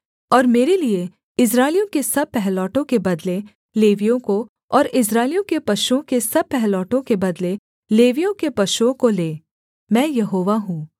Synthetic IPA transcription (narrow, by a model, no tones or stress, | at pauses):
ɔːɾmeːɾelie | ɪs̬ɾaːɪljõkesɐb̚pɛɦlɔːʈõkebɐd̪le | leːʋijõko | ɔːɾɪs̬ɾaːɪlijõkepɐʃuõkesɐb̚pɛɦlɔːʈõkebɐd̪le | leːʋijõkepɐʃuõkoleː | mɛ̃ːjɐɦoːʋaɦũː